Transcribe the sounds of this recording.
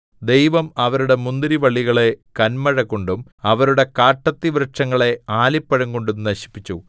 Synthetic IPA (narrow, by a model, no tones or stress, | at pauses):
d̪e̞jʋɐmɐʋɐɾuɽe̞mund̪ɐɾiʋɐɭːiɣɐɭe̞kɐnmɐɻɐkːoɳɖumɐʋɐɾuɽe̞kaːʈːɐt̪ːiʋɾɐʈʂɐŋːɐɭe̞aːlipːɐɻɐŋɡko̞ɳɖumnɐɕi̥pːit͡ɕːu